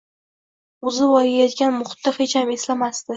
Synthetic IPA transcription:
ʊzɪvɒjajɒt̪ɡʲanmʊχʊ̥t̪ːaχet͡ʃʰameslamast̪ɪ

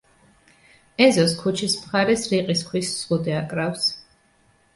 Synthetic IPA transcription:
ɛzɔskʰut͡ʃʰismχaɾɛsɾiqʼiskʰwissʁud̪ɛakʼɾafs

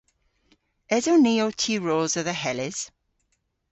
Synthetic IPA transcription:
ɛzoniːotʰiːɹoːzəðəɦɛlɪz̥

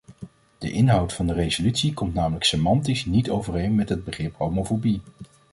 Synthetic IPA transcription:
d̥ə̰ʔɪnɦʌwtfɑndərezolytsikɔmtnaːmələksemɑntisnitowvərejnmɛtɦəd̚bəχrɪpowmofobi

